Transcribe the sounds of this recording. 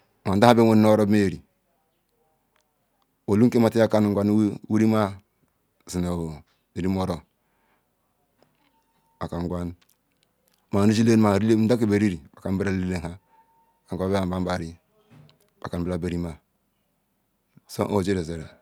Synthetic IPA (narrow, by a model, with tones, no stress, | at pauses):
ma˨˦da˦a˦be˦wo˦n˦no˦ɾo˦bme˦˨ɾi˨ | o˨lu˦ŋke˦ma˨ti˦a˦ka˦n˨ŋɡʷa˦n˦wu˦ɾi˦ma˦ | zi˨na˨ | i˨ɾi˦mo˦ɾo˨ | a˨ka˨ŋ˨ɡʷa˦n | ma˨ni˦d͡ʒi˦le˦n˦ma˨ɾ̩˦da˦ki˨ba˨ɾi˦ɾi˨bḁ˨ka˨mbi˦ɾa˦li˦le˦ha˦˨ | ka˨a˨˦be˦a˨ba˦ba˨ɾi˦ | b̥a˨ka˨n˨bi˦ɾa˦˨ba˨ɾi˦ma˦ | so̰˦ʔo˦˨d͡ʒe˦ɾe˨ze˨ɾe˨